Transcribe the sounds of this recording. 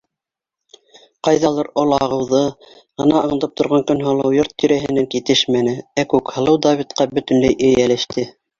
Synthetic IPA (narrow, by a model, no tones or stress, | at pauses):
qɑjðɑlˠɤɾolˠɑʁɤ̆wðɤ | ʁɤ̆nɑɤ̆ɴ̆t̪ɤp̚t̪ʰŏɾʁɑŋkɵnɦɑlˠɤwjoɾt̪ːĭɾæɦɘ̆næŋkit̪ɘʃmænɘækʉkhɤ̆lˠɤwd̪ɑvit̪qɑbɵ̆t̪ɵ̆nlæjʔɵ̆jælæʃt̪ɘ